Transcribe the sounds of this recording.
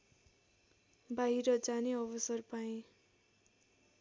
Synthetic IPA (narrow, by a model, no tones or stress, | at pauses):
baɦiɾʌd͡zaneʌbʌsʌrpaĩ